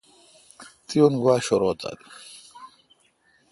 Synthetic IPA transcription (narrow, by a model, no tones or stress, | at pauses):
t̪ionɡwaːɕoɾoːt̪a̰l